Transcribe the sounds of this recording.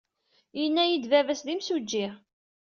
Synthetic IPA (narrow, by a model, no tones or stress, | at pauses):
jənːæjid̪vævæsðimsud͡ʒːɪʁ